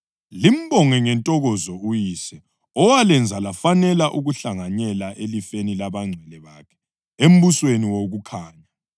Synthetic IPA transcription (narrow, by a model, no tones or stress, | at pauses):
lim̩bɔŋɛŋɛntʼɔɣɔzɔujiːsɛ | ɔwalɛnd͡zʱalafanɛlaʔuɣuɬaŋaɲɛlaʔelifenilaβaŋ͡ǀʱɛlɛβakʰɛ̥ | em̩βusweniwoɣukʰaːɲa